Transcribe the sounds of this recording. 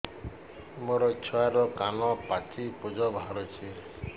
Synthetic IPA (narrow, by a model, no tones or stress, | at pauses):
moɾɔit͡ʃʰuaɾɔkanɔpat͡ʃipud͡ʒɔbʱɦaɾɔt͡ʃʰi